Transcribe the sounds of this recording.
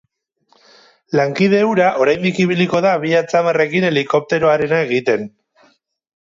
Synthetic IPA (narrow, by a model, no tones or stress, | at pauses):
laŋkið̞e̞uɾaʔo̞ɾajnd̪ikiβiliko̞ðaβ̞iat͡samare̞kine̞liko̞p̚t̪e̞ɾo̞aɾe̞nae̞ɣ̞it̪e̞n